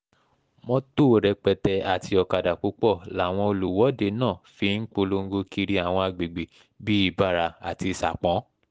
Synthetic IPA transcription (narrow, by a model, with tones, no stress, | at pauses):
mɔ̃˧to˦˨ɾɛ˧k͡pɛ˧tɛ˧a˨ti˧ɔ˧ka˨da˨k͡pu˨˦k͡pɔ˦˨la˨˦˨w̃ɔ̃˧o˧lu˨wɔ˨˦de˧nãː˦˨fi˧˦n̩˦k͡po˧lo˧ŋ̩˦ɡo˧ki˧ɾi˦a˨w̃ɔ̃˧a˧ɡ͡be˨ɡ͡be˨ | bi˦i˦˨ba˦˨ɾa˧a̰˨ti˧sa˨k͡pɔ̃˨˦